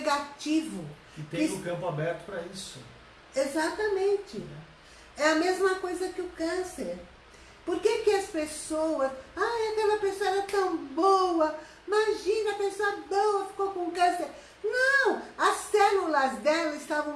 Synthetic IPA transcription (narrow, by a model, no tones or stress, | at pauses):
ɡat͡ʃivʊ | ɪt̪ẽɪ̃j̃ʊ̃kɐ̃mpʊabɛɾt̪ʊ̥pɾɐisʊ̰ | ezat̪ɐmẽnt͡ʃɪ̰ | ɛɐmezmɐkojzɐkɪʊkɐ̃seɾ | poɾkekɪɐspesowɐsajɐkɛlɐpesoɐɛɛɐt̪ɐ̃w̃bowɐ | imaʒĩnɐɐpesoɐbowɐfi̥kowkõkɐ̃seɾ | nɐ̃w̃ɐsɛlulɐzd̪ɛlɐɪst̪avɐ̃w̃